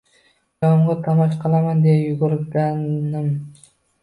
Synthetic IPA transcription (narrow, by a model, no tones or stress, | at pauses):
ɒmʁɑt̪ʰɑmɒʃqʰɑlˠamand̪ejajʊɡʊɾɡanɪm